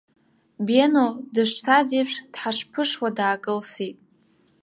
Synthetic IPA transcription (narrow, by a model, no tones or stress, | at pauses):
benodɨʂʷsaziʂʷᶣd̥ħaʂpʰɨʂwadaːkʼɨlsitʼ